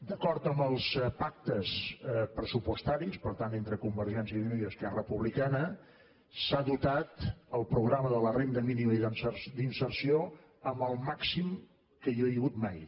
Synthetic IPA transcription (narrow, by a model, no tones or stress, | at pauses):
d̪əkɔɾt̪əmbəlˠspak̚t̪əspɾəsupust̪aɾispəɾt̪anent̪ɾəkumbəɾʒɛnziimoiðəskɛrəpuβlikanə | saðut̪at̪əlˠpɾuɣɾaməðələrend̪əminiməiðənsərd̪insərsio | əmbəlˠmaksim | kəjoejəɣut̪maj